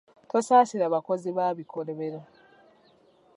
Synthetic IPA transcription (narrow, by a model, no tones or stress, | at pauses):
tosaːsiɾaːβako̞ziβaːβikoɾeβeɾa